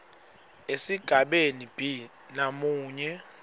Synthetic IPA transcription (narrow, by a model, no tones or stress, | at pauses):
esiɡ̥ʱaɓenib̥ʱi | namuːɲɛ